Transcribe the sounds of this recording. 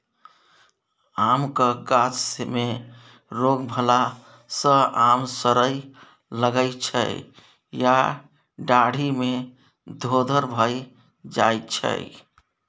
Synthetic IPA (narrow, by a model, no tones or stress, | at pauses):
amkəɡat͡ʃme | ɾoɡbʱəla | sə̃amsəɾəj | ləɡəjt͡ʃʰə̰ | ja | ɖaɽ̤ʱime | d̪ʱod̪ʱəɾbʱəj | d͡ʒajt͡ʃʰə̰j